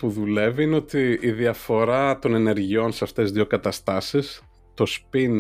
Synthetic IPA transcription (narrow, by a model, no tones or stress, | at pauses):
puðule̞viineot̪iiðiɐfo̞ɾɐt̪o̞ne̞ne̞ɾʝio̞nseɐft̪e̞zðʝo̞kɐt̪ɐst̪ɐsis | t̪o̞spin